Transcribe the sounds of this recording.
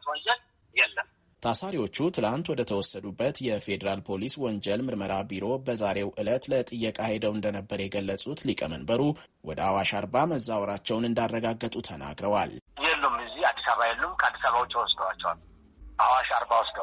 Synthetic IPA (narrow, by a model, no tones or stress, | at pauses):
t̪wɔnd͡ʒɛl | jɛlːəm | t̪ʰasaɾiwo̞t͡ʃːut̪ʰɨlant̪wɔd̪ət̪ʰəwɔsːəd̪ubːət̪jɛfe̞d̪əɾalpʰo̞liswɔɲd͡ʒɛlmɨɾməɾabiɾo̞bəzaɾe̞wʔɨlət̪lət̪ʼɨjːəkʼahed̪əwɨnd̪ənəbːəɾjɛɡəlːəsʼut̪likʼəmə̰nbəɾu | wɔd̪əawaʃaɾbaməzːawɔɾat͡ʃːɛwnɨnd̪arːəɡaɡːət̪ʼut̪ʰəna̰ɡɾəwaljɛlːumːɨziad̪i̥saβajɛlːumkʼad̪ːisaβawt͡ʃʼiwɔsd̪əwat͡ʃːɛwa̰l | ʔawaʃaɾbawɔsd̪ə